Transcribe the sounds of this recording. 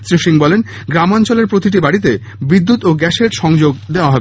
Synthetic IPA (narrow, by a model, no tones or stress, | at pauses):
sɾiʃiŋbɔlen | ɡɾamant͡ɕoleɾpɾot̪iʈ̬ibaɽit̪e | bid̪ːut̪oɡɛʃeɾʃɔŋd͡ʑoɡd̪eoaɦɔbe